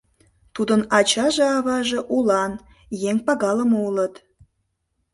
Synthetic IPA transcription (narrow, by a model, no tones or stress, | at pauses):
t̪ud̪ənɑt͡ɕɑʒeɑβɑʒeʔulɑn | jeŋpɑɣɑləmoulət̪